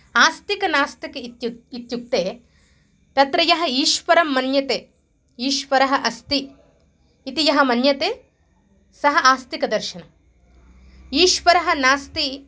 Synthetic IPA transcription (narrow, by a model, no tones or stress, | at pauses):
aːst̪ikɐnaːst̪ɐkɐit̪juk̚t̪eː | t̪ɐt̪ɾɐjɐɦɐ̆iːʃʋɐɾɐmːɐnjɐt̪eː | iːʃʋɐɾɐɦɐʔɐst̪iː | t̪ijɐɦɐmɐnjɐt̪eː | sɐɦɐ̆ʔaːst̪ikɐd̪ɐɾʃɐnɐ | iːʃʋɐɾɐɦɐ̆naːst̪i